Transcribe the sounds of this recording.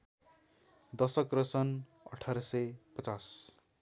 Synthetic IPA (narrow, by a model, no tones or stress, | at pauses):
d̪ʌsʌkrʌsʌn | ʌ̰ʈʰaɾʌsʌjpʌt͡sas